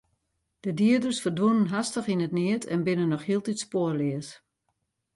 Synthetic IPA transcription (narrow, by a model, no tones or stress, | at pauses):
d̥ədiədərsfərdʋunənɦastəχinətnɪətʰɛ̰nbɪnənːɔχhiəlˠditspoərlɪəs